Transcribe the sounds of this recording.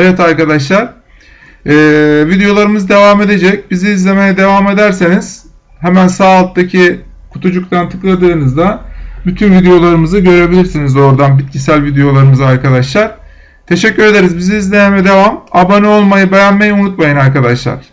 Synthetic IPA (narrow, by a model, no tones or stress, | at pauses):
ajat̪ʰaɾkad̪aʃlˠaɾ̥ | ɛːvid̪ejo̞lˠaɾɯmɯzɯd̪e̞vame̞d̪e̞d͡ʒɛc̚biziːzlʲe̞mejɛd̪e̞vame̞d̪æɾseniz̥ | hemænsaːlˠt̪t̪acʰi | kʰu̥t̪ʰud͡ʒuk̚t̪ʰant̪ʰɯklˠad̪ɯːnɯzd̪abyt̪ʰynvid̪ejo̞lˠaɾɯmɯzɯɟø̞ɾe̞bilʲiɾsinizo̞ɾd̪anbit̪̚cʰisælʲvid̪ejo̞lˠaɾɯmɯzaɾkad̪aʃlˠaɾ̥ | t̪ʰe̞ʃɛcʰːyɾe̞d̪e̞ɾizbiziizlʲejɛnɛd̪e̞vamabanɛo̞lˠmajɯbe̞jænmejiunut̪majɯnaɾkad̪aʃlˠa̰ɾ̥